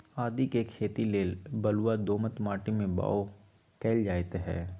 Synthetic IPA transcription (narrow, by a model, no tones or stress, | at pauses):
aːd̪ikekʰːeːt̪ileːlbəluwad̪oːmət̪maːʈimẽba̰ːo | kɛːld͡ʒaːjt̪ɦɛ̰ː